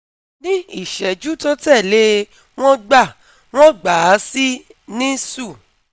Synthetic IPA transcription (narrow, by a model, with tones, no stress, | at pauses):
nĩ˦i˦˨ʃɛ˨d͡ʒu˦to˦tɛ˦˨le˦ | w̃ɔ̃˦ɡ͡ba˦˨ | w̃ɔ̃˦ɡ͡ba˨˦si˦nĩ˦su˦˨